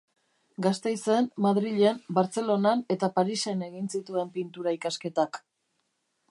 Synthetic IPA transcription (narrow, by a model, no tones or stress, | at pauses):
ɡast̪e̞jse̞mmaðɾiʎe̞mbaɾt͡se̞lo̞nane̞t̪apaɾise̞ne̞ɣinsit̪ue̞mpint̪uɾaikaske̞t̪ak